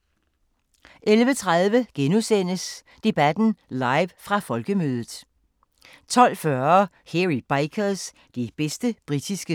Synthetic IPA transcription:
ʔelʋət͡sʰʁaðˠʋəɡ̥enusen̰əs | d̥e̝b̥æd̥n̩lɑ̈ɪʋfʁɑ̈fɒ̽lɡ̥əmøːð̞ˠð̩ˠ | t͡sʰɒ̽l̰fɶɐɐ | heʁib̥ɑɪkʰɐs | d̥ib̥esd̥əb̥ʁid̥isɡ̥ə

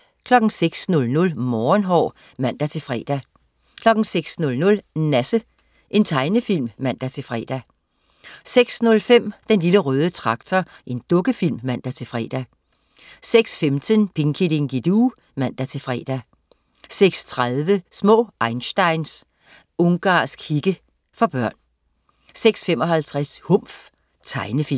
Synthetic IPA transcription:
kʰlɒ̽ɡ̥̩seɡ̥snɔ̽lnɔ̽lmɒːnɦɒ̰ː | mæn̰d̥æt͡sʰe̝fʁɛ̰ːd̥æ | kʰlɒ̽ɡ̥n̩seɡ̥snɔ̽lnɔ̽lnæsə | ʔe̝nt͡sʰɑ̈ɪnəfil̰mːæn̰d̥æt͡sʰe̝fʁɛ̰ːd̥æ | seɡ̥snɔ̽lfem̰d̥enliləʁœːð̞ˠət͡sʰʁɑ̈ɡ̥t͡sʰɐ | ʔe̝nd̥ɔ̽ɡ̥əfil̰mːæn̰d̥æt͡sʰe̝fʁɛ̰ːd̥æ | seɡ̥sfemt͡sʰənpʰe̝ŋkʰideŋɡ̥id̥uː | mæn̰d̥æt͡sʰe̝lfʁɛ̰ːd̥æ | seɡ̥st͡sʰʁaðˠʋəsmɔ̰̽ːʔɑ̈ɪnsd̥ɑ̈ɪns | ɔŋɡ̥ɑ̰̈ːsɡ̥hiɡ̥ə | fɒ̽b̥ɶɐ̰n | seɡ̥sfem̰ɒ̽ɦælt͡sʰʁashɔm̰f | t͡sʰɑ̈ɪnəfi

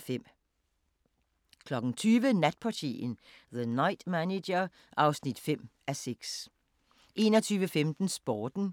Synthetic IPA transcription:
fem̰ | kʰlɒ̽ɡ̥n̩t͡sʰyːʋənæd̥̚pʰɑ̈t͡sʰḭn̩ | ðənɑ̈ɪd̥mæne̥ɐ | ʔɑ̈ʊsnid̥fem̰ | æseɡ̥s | ʔe̝̰ːnɒt͡sʰyːʋəfemd̥n̩sb̥ɒːd̥n̩

